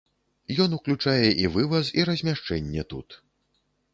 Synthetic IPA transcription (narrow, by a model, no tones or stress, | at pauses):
jɔnuklʲut͡ʂajɛʔivɨvɐsiɾɐzʲmʲaʂt͡ʂɛnʲːɛt̪ṵt̪